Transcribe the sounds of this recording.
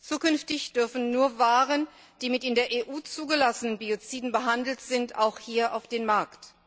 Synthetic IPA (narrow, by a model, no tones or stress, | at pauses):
t͡suːkʏnftɪçd̥ʏɐfn̩nuːɐvaːʁən | d̥iːmɪtɪndeːɐʔeːʔuːt͡suːɡəlasənənbiot͡siːdn̩bəɦandl̩tz̥ɪntaʊxhiːɐʔaʊfd̥eːnmaɐkt